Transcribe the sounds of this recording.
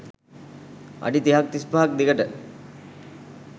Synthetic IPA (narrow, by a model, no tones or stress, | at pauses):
a̰ɖit̪iɦak̚t̪ispaɦak̚d̪ikəʈə